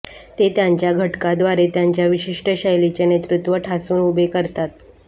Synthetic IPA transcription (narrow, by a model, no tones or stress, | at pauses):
t̪et̪jaɲt͡ɕjaɡʱəʈkad̪ʋaɾet̪jaɲt͡ɕjaʋiɕiʂʈəɕəjlit͡ɕenet̪ɾut̪ʋəʈʰasuːnubʱekəɾt̪at̪